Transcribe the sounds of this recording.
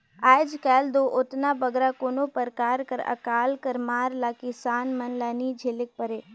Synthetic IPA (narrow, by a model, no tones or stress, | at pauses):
aːɪd͡ʒkɛːld̪oːʔʊt̪naːbəɡɾakoːnoːpəɾkaːɾkəɾə̰kaːlkəɾmaːɾlaːkisaːnmənlaːnid͡ʒʱelɪk̚pəɾeː